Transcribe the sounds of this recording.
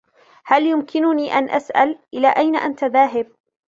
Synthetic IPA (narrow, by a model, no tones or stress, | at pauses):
haljʊmkʰɪnʊniːʔanʔasʔa̰lʔɪlaːʔajnaʔant̪aðaːɦɪb̚